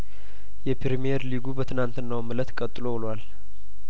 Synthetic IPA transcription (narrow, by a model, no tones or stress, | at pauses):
jɛpʰɾimieɾliɡubət̪ʰɨnant̪ɨnːawmɨlət̪kʼət̪ʼːɨlobɨlwal